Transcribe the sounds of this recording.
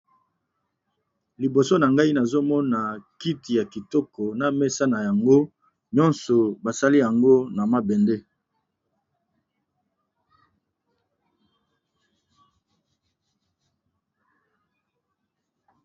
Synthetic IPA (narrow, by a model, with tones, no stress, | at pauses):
li˨bo˨so˦na˨ŋɡa˦i˦na˨zo˦mɔ˦na˨ki˦ti˨ja˨ki˨tɔ˦kɔ˨na˦mɛ˦sa˦na˨ja˨ŋɡo˦ | ɲɔ̃˦nsɔ˨ba˨sa˦li˦ja˨ŋɡo˦na˨ma˦bɛ˨nde˦